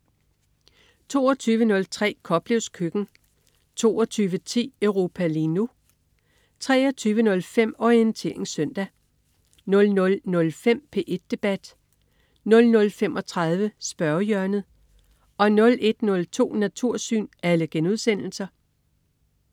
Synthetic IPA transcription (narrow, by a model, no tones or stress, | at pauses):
t͡sʰo̝̰ːɒt͡sʰyːʋənɔ̽lt͡sʰʁɛ̰ːkʰɒ̽b̥le̝ʊskʰøɡ̥n̩ | t͡sʰo̝̰ːɒt͡sʰyːʋət͡sʰḭːœʊʁo̝ːpʰæliːnu | t͡sʰʁɛːɒt͡sʰyːʋənɔ̽lfem̰ɒient͡sʰe̝ɐe̝ŋsœn̰d̥æ | nɔ̽lnɔ̽lnɔ̽lfem̰pʰe̝ʔe̝d̥̚ːe̝b̥æd̥ | nɔ̽lnɔ̽lfemʔɒ̽t͡sʰʁɑ̈ð̞ˠʋəsb̥ɶɐjœɐnð̩ˠ | ɒ̽nɔ̽lʔe̝d̥nɔ̽lt͡sʰo̝̰ːnæt͡sʰuɐ̰sy̰ːnæləɡ̥enuðˠsen̰l̩sɐ